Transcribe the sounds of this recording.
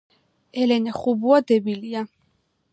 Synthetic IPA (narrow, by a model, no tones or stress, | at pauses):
ɛlɛnɛχubuad̪ɛbilia